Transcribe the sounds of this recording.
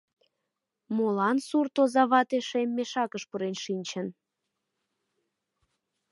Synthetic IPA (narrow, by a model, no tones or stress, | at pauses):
molɑnsurt̪ozɑβɑt̪eʃemːeʃɑkəʃpuɾenʃinʲt͡ɕən